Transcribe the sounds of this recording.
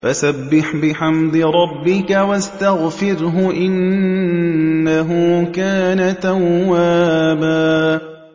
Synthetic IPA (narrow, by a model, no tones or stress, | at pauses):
fasabːɪħbɪħamd̪ɪɾˤɑbːɪkawast̪aɣfɪɾɦʊʔɪn | aɦʊkaːnat̪awːaːbaː